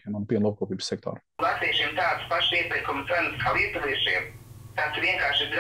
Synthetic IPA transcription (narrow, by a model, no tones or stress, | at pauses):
imanpiɛnlˠuːp̚koːpiːbssɛk̚t̪o̰ːɾ | ɡlˠasejʃiːmt̪aːt̪spaʃiːt̪akomɛnskʰawip̪azeːʃḭːmt̪at̪ʋiɛŋkaːɾʃid̪ɾ